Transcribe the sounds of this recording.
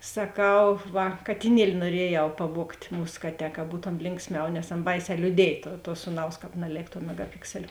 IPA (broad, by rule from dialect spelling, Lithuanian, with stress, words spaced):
sɐˈkɐʊ ˈʋɐ kɐtʲɪˈnʲiɛlʲɪ nuɔˈrʲiɛjɛʊ pɐˈʋuɔktʲ ˈmuːs ˈkɑːˌtʲɛː kɐ ˈbuːtoːm ˈlʲɪŋksʲˌmʲɛʊ nʲɛs ˈɑːnɐ ˈbɐɪˌsʲɛː lʲuːˈdʲiɛj ˈtuɔ tuɔ ˈsuːˌnɐʊs ˈkɑːp nɐˈlʲeːk tuɔ mʲɛɡɐˈpʲɪksʲɛlʲ